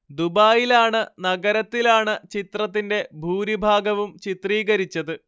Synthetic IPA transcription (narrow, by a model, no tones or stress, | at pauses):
d̪ubaːjilaːɳɨnɐɡɐɾɐt̪ːilaːɳɨt͡ɕit̪rɐt̪̬ːinde̞bʱuːɾibʱaːɡɐʋumt͡ɕit̪riːɡɐɾit͡ɕːɐðɨ